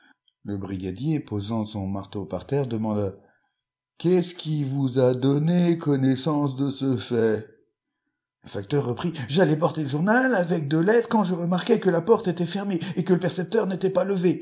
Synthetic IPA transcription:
ləbʁiɡʲad̪jepozɑ̃sɔ̃maʁt̪opa̰ʁt̪ɛʁd̪əmɑ̃d̪a | kʲɛsəkʲivuzad̪ɔnekɔnɛsɑ̃s̬d̪əsəfɛ | ləfak̚t̪œʁːəpχiʒalɛp̬ɔʁt̪eləʒuʁnalavɛk̚d̪əlɛd̪kɑ̃ʒəʁəmaʁkʲɛkəlapɔʁt̪et̪ɛfɛʁmeːkələpɛʁsɛp̚t̪œʁnet̪ɛpaləve

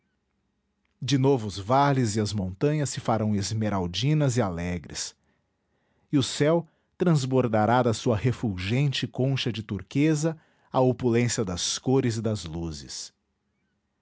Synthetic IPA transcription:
d͡ʒɪnovʊːzvalɪzɪɐzmõnt̪ɐ̃ɲɐsːɪfaɾɐ̃w̃ezmeɾawd͡ʒĩnɐzɪalɛɡɾɪ̰s | ɪʊsɛw | t̪ɾɐ̃zboɾd̪aɾad̪ɐsuɐhefuʒẽnt͡ʃɪkõʃɐd͡ʒɪt̪uɾkezɐ | ɐopulẽsiɐd̪ɐskoɾɪzɪd̪ɐzluzɪ̰s

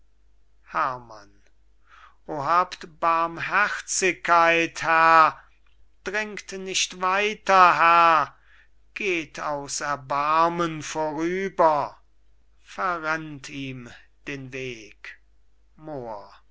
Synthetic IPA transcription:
hæɐma̰n | ʔoːɦaːptb̥aɐmɦæχt͡sɪkːaɪthɛɐ | d̥ʁɪŋktnɪʃtvaɪtɐɦɛɐ | ɡ̥eːtʰaʊsɛɐbaɐmənfoːʁyːbɐ | fɛɐʁantʰiːmd̥eːnveːk | moːɐ

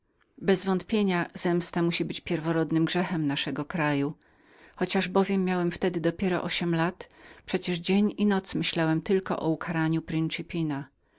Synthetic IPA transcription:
bɛzvɔnt̪pʲjeɲazɛmst̪amuɕibɘt͡ɕpʲjɛɾvɔɾɔd̪nɘmɡʐɛxɛmnaʂɛɡɔkɾaju | xɔt͡ɕaʐbɔvʲjɛmːjawɛmft̪ɛd̪ɘd̪ɔpʲjɛɾɔ̰ʔɔɕɛmlat̪pʂɛt͡ɕɛʐd͡ʑeɲinɔt̪smɘɕlawɛmt̪ɘlkɔ̰ʔɔukʰaɾaɲupɾɘnt͡ʂɨpʲina

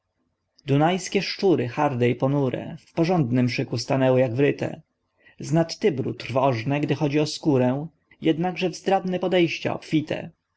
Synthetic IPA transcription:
d̪unajskʲɛʂt͡ʂuɾɘxaɾd̪ɛipɔnuɾɛ̰fpɔʐɔnd̪nɘmʂɘkust̪anɛwɘjaɡvɾɘt̪ɛ̰ | znat̪ːɘbɾut̪ɾvɔʐnɛɡd̪ɘxɔd͡ʑiɔskuɾɛw̃ | jɛd̪naɡʐɛvzd̪ɾad̪nɛpɔd̪ɛjɕt͡ɕa̰ɔ̰pfʲit̪ʰɛ̰

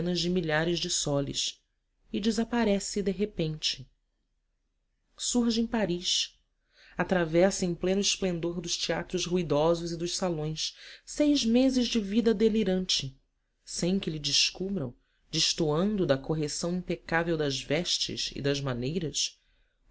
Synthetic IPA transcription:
nɐzd͡ʒɪmiʎaɾɪzd͡ʒɪsɔlɪ̰ʃ | ɪd͡ʒɪzapaɾɛsɪd̪eɦepẽnt͡ʃɪ̥ | suɾʒẽpaɾiʃ | at̪ɾavɛsẽj̃plẽnʊɪʃplẽnd̪oɾd̪ʊʃt͡ʃiat̪ɾʊzhuid̪ɔzʊzɪd̪ʊʃsalõj̃ssejzmezɪzd͡ʒɪvid̪ɐd̪eliɾɐ̃nt͡ʃɪ | sẽj̃kɪlɪd͡ʒɪʃkubɾɐ̰̃w̃ | d͡ʒɪʃt̪uɐ̃nd̪ʊd̪ɐkoɦesɐ̃w̃ĩmpekavewd̪ɐzvɛʃt͡ʃɪ̰ʃɪ̰d̪ɐzmanejɾɐs

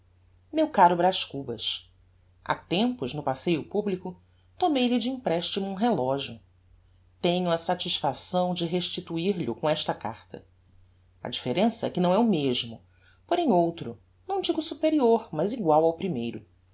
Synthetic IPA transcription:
mewkaɾʊbɾaʃkubɐʃ | a̰t̪ẽmpʊʒnʊpasejʊpublikʊ | t̪omejʎɪd͡ʒɪĩpɾɛʃt͡ʃimʊũɦelɔʒiʊ | t̪ẽɲʊɐsat͡ʃiʃfasɐ̃w̃d͡ʒɪɦeʃt͡ʃit̪uiɾʎʊkõɛʃt̪ɐka̰ɾt̪ɐ̰ | ɐ̰d͡ʒifeɾẽsɐɛkɪnɐ̃w̃ɛʊmeʒmʊ | poɾẽj̃owt̪ɾʊ | nɐ̃w̃d͡ʒiɡʊsupeɾioɾmɐziɡwawawpɾimejɾʊ

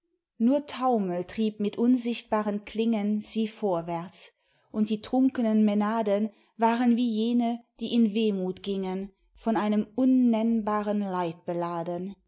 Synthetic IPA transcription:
nuːɐtʰaʊməltʁ̥iːp̚mɪtʔʊnzɪçt̚b̥aːʁənkʰl̥ɪŋənz̥iːfoːɐvɛɐt͡s | ʔʊntd̥iːtʁ̥ʊŋkənənmenaːdən | vaːʁənviːjeːnəd̥iːɪnveːmuːtɡ̥ɪŋən | fɔnaɪnəmʔʊnːɛnbaːʁənlaɪt̚b̥əlaːdən

